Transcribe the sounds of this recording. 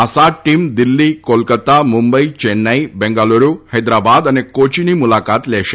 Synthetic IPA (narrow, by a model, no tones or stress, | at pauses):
ɐsaʈimd̪ilːikoːlkɐt̪amumbɐjt͡ʃenːajbeŋɡaːluɾuhɐjd̪ɾaːbaːd̪ɐnekoːt͡ʃinimulaːkaːt̪leːʂ